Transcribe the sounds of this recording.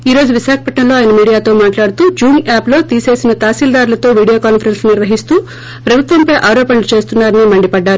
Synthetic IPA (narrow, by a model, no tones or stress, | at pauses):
iːɾo̞ːd͡ʒuʋiʃaːkʰɐ̥pɐʈɳɐlo̞ːjɐnɐmiːɽijaːt̪o̞ːmaːʈlaːɽut̪uːd͡ʒuːŋaːplo̞ːt̪iːse̞ːsinɐt̪aːsiːld̪aːɾulɐt̪o̞ːʋiːɽijo̞ːkaːnpʰɐɾensniɾʋɐɦist̪uː | pɾɐbʱut̪ʋɐmpɐjʔaːɾoːpɐnlut͡ʃe̞ːst̪unːaːɾɐnimɐɳɖipɐɖːaːɾu